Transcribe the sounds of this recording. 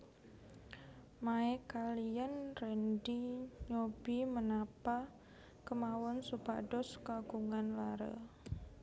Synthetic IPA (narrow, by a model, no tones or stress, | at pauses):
maɛkalianrɛndiɲob̥imənapa | kəmawɔnsuba̰ɖɔskaɡ̥uŋanlaɾə̰